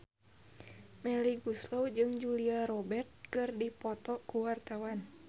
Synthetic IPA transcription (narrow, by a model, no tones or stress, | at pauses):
mɛliɡuslowd͡ʒɨŋd͡ʒuliaɾɔbɛrt̪̚kɨrdipɔt̪ɔkuwart̪awan